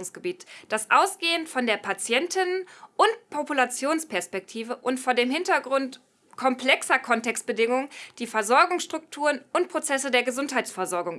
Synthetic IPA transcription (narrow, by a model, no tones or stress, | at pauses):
ʊŋsɡ̥əbiːtd̥asʔaʊsɡ̥eːəntfɔndeːɐpʰat͡sjɛntʰɪnənʔʊntpʰopulat͡sjoːnspʰɛɐspɛk̚tʰiːvəʔʊntfoːɐdeːmhɪntɐɡʁʊnt | kʰɔmpl̥ɛksɐkʰɔntɛkstb̥ədɪŋʊŋənd̥iːfɛɐzɔɐɡʊŋsʃtʁ̥ʊk̚tʰuːʁənʊntpʁ̥ot͡sɛsədeːɐɡəzʊnthaɪt͡sfɛɐzɔɐɡʊŋ